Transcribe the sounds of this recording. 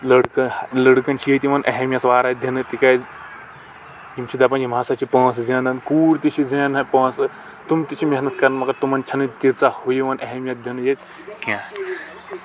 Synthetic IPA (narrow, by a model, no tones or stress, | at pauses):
lɐɽkɐlɐɽkɐnt͡ʃʰijet̪iʋɐnʔɐɦemʲjɐt̪ʋaːɾad̪ʱjɐnɨt̪ika | jimt͡ʃʰid̪ɐpɐnim̤aːsat͡ʃʰipɐ̃ːszãːnɐnkuːɾt̪it͡ʃʰid͡zɐ̃ːnɦɐpɐ̃ːsɨ | t̪umt̪it͡ʃʰimʲɐɦnɐt̪kɐɾɐnmɐkɐɾt̪umɐnt͡ʃʰɐnɨt̪iɾt͡sahojiʋɐnɐɦemʲjɐt̪̚d̪ʱjɐnɨjet̪ | kãː